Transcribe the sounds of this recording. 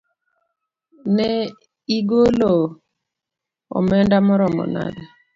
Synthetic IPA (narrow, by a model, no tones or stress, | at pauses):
nɛ | iɡolo | ɔ̰mɛndamɔɾɔmɔ̰na̰da